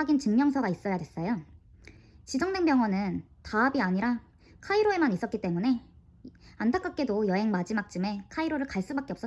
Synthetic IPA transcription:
aɡint͡ɕɯŋmjʌŋsʰʌɡais͈ʌjadwe̞s͈ʌjo | t͡ɕid͡ʑʌŋne̞ŋbjʌŋwʌnɯn | taʌbiaɲiɾa | kʰaiɾoe̞manis͈ʌt̚k͈it͈e̞mune̞ | antʰak͈ak̚k͈e̞dojʌɦe̞ŋmad͡ʑimak̚t͡ɕ͈ɯme̞kʰaiɾoɾɯɭkaɭs͈ubak͈eps͈ʌ

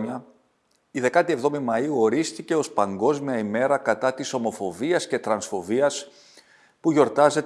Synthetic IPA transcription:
ɐ | iðe̞kɐt̪ie̞vðo̞mimɐiuo̞ɾist̪ice̞o̞spɐŋɡo̞zmiɐime̞ɾɐkɐt̪ɐt̪iso̞mo̞fo̞viɐsce̞t̪ɾɐnsfo̞viɐs | puʝo̞ɾt̪ɐze̞t̪

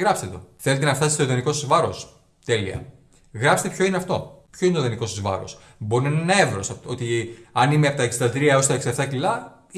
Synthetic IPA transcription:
ɣɾɐpset̪o̞̰θelet̪enɐft̪ɐsist̪oðenikosɐzvɐɾo̞s | t̪e̞liɐ̰ | ɣɾɐpset̪pçoineɐft̪o̞̰pçoinet̪ðeniko̞sɐzvɐ̰ɾo̞̰s | bo̞ɾinɐnenɐevɾosɐot̪iɐnimeɐpot̪ɐeksid̪ɐd̪ɾiɐo̞st̪ɐeksiɐft̪ɐcilɐ

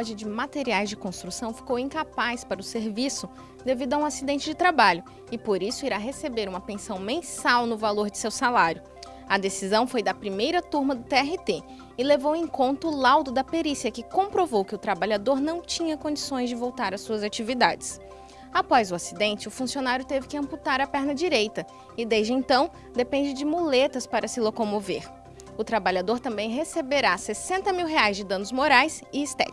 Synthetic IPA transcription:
ʒɐd͡ʒɪmat̪eɾiajzd͡ʒɪkõst̪ɾusɐ̃w̃fi̥kowĩŋkapajspaɾɐʊseɾvisʊ | d̪evid̪ʊɐũasid̪ẽnt͡ʃɪd͡ʒɪt̪ɾabaʎʊ | ɪpoɾisʊiɾaɦesebeɾũmɐpẽsɐ̃w̃mẽsawnʊvaloɾd͡ʒɪsewsalaɾjʊ | ɐd̪esizɐ̃w̃fojd̪ɐpɾimejɾɐt̪uɾmɐd̪ʊt̪eɛɦɪt̪e | ɪlevowẽkõnt̪ɐʊlawd̪ʊd̪ɐpeɾisiɐkɪkõmpɾovowkɪʊt̪ɾabaʎad̪oɾnɐ̃w̃t͡ʃĩɲɐkõd͡ʒisõj̃zd͡ʒɪvowt̪aɾɐsuɐzat͡ʃivid̪a̰d͡ʒɪs | apɔzʊasid̪ẽnt͡ʃɪʊfũsionaɾjʊt̪evɪkɪɐ̃mput̪aɾɐpɛɾnɐd͡ʒiɾejt̪ɐ | ɪd̪ejzd͡ʒɪẽnt̪ɐ̃w̃ | d̪epẽnd͡ʒɪd͡ʒɪmulet̪ɐspaɾɐsɪlokomovḛɾ | ʊt̪ɾabaʎad̪oɾt̪ɐ̃mbẽj̃ɦesebeɾasesẽnt̪ɐmiwɦeajzd͡ʒɪd̪ɐ̃nʊzmoɾajsɪːst̪ɛ̰t͡ʃ

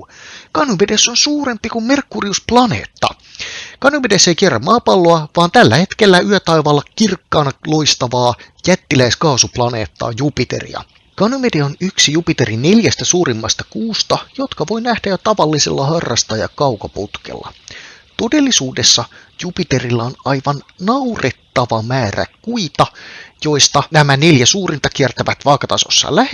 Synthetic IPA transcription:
kɑnuʋedesːonsuːɾe̞mpːikumme̞rkːuriusplɑnḛːt̪ːɑ̰ | kɑnuʋedesːejkierːɑmmɑːpɑlːoɑʋɑːnt̪ælːæhe̞t̪kelːæyøt̪ɑjʋɑːlːɑkirkːɑːnɑlo̞jst̪ɑʋɑː | jæt̪ːilæiskɑːsuplɑnḛːt̪ːɑ̰ːjupit̪e̞̰rḭɑ̰ | kɑnumedeonyksijupit̪eɾine̞ljæst̪æsuːɾimːɑst̪ɑkuːst̪ɑjo̞t̪kɑʋo̞jnæhd̥æjot̪ɑʋɑlːisḛlːɑhɑrːɑst̪ɑjɑ̰kɑwkɑput̪kḛlːɑ̰t̪o̞de̞lːisuːde̞sːɑ | jupit̪e̞rilːɑonɑjʋɑnnɑwret̪ːɑʋɑmæːræ̰kuit̪ɑjo̞jst̪ɑnæmæne̞ljæsuːrint̪ɑk̟iert̪æʋæt̪ʋɑːkɑt̪ɑso̰sːɑ̰læ

